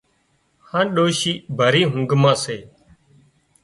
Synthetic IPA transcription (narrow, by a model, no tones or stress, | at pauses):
hãːɗoːʃiːbʱəɾiːɦʊŋɡmãːseː